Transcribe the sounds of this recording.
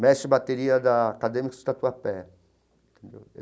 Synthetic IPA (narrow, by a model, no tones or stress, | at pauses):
mɛʃibat̪eɾiɐd̪ɐːkad̪emiksʊd̪ɐt̪uɐpɛ̃ | nt̪ẽnd̪ḛw̰